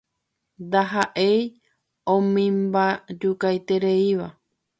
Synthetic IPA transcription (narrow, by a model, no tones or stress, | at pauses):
nd̪aɦaʔej | õmĩmbad͡ʒukajt̪e̞ɾeiʋa